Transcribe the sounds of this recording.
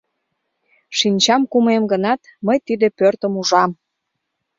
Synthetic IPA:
ʃinʲt͡ɕɑmkumemɡənɑt̪məjt̪id̪epørt̪əmuʒɑm

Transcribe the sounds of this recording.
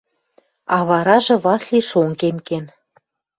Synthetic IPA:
ɑβɑɾɑʒɤ̆βɑsliʃoŋkemken

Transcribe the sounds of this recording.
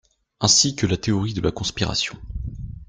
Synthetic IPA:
ɛ̃sikəlat̪eɔʁid̪əlakɔ̃spiʁa̰sjɔ̃

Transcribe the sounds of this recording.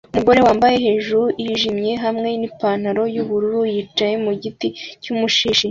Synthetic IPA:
umuɡo̞ɾe̞waːmbaje̞ɦe̞ːʒuɾujiʒimɲe̞ɦamŋe̞nipaːnaɾo̞juβuɾuɾujit͡ʃaje̞muɟiticumuʃiːʃi

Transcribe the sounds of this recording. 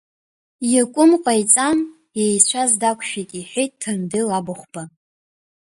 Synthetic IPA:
jakʷʼʊmqʷʼajt͡sʼan | jejt͡ɕʷʰazdakʷʰʃᶣikʲʼiħʷᶣejt̚ʼtʰːamdɨlabaχʷb̥a

